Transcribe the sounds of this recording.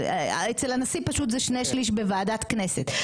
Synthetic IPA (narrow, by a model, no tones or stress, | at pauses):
et͡selanasipaʃut̪zeɛʃnejʃliʃbevaːdat̪kne̞set̪